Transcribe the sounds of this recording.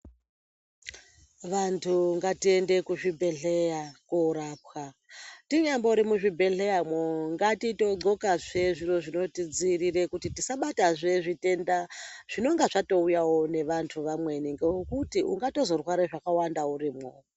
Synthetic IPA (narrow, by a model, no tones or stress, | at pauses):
ʋantʰuŋɡatie̞nde̞kuʐibʱe̞ɮejakouɾaːpxa | tiɲamboɾimuʐibʱe̞ɬe̞jamoŋɡatito̞ɡ͡ǀo̞kaʐe̞ʐiro̞ʐino̞tid͡zirire̞kutitisaɓataʐe̞ʐite̞ndaʐ̥ino̞ŋɡaʐato̞ujawo̞ne̞ʋantʰuʋamwe̞niŋɡekutiṵŋɡato̞zo̞rwaɾeʐakawandauriːmo